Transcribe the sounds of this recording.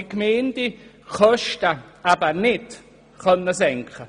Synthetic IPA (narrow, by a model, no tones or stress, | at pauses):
ikmeːndi | kʰɔʃtəabɐnɪt | χœnːəsɛŋkχə